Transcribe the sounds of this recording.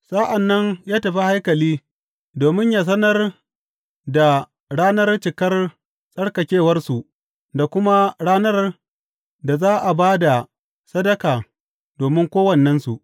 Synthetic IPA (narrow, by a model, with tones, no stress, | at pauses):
sa˦ʔa˨nːɐ˦ɲjaː˦tɐ˨ɸi˦ha˦jkɐ˨liː˦ | doː˨mɪ˦ɲjaː˨s̬ɐ˦nɐ˦r | da˨ | ɽaː˦nɐ˦rt͡ʃɪ˨kɐ˦r | sʼɐ˦ɽkɐ˨kʲeː˦˨wɐ˦rsu˨ʔ | da˨kʷʊ˦ma˦ɽaː˦nɐ˦r | da˨zaː˦ʔa˨baː˦da˨ | sɐ˦dɐ˦kaː˨ | doː˨mɪ˦ŋkʷoː˦wɐ˨nːɐ˦nsu˨ʔ